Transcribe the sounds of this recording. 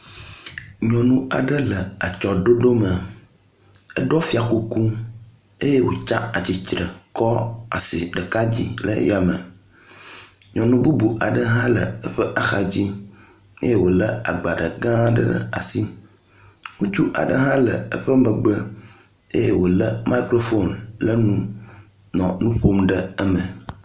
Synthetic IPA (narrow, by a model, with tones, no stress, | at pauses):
ɲɔ̃˨nũ˦a̰˨ɖə˦lə˨a˨t͡ʃɔ˨ɖo˦ɖo˦mə˨ | ə˦ɖɔ˦fi˦a˨ku˦ku˦ | e˦je˦wo̰˨t͡ʃã˦a˨t͡ɕi˨t͡ʃɾə˨kɔ˦a̰˨si˨ɖə˨ka˦d͡ʑḭ˦lə̰˦ja˨mə̰̃˨ | ɲɔ̃˨nũ˦bu˦bu˨ʔa˨ɖə˦ɦã˦lə˨ə˦ɸə˦ʔa˨xa˨d͡ʑi˦ | ḛ˦je˦wo˨lə˦a˨ɡ͡ba˨ɖə˨ɡã˦ɖə̰˦a̰˨si˦ | ŋũ˦t͡ʃu˦ʔa̰˨ɖə˦ɦã˦lə̰˨ə˦ɸə˦mə˨ɡ͡bə˦ | e˦je˦wo˨lə˦mʔa˦i˦kɾo˦fo˦nlə˦nũ˦ | nɔ̃˨nũ˦ɸo˦mɖə˦ə˦mə˨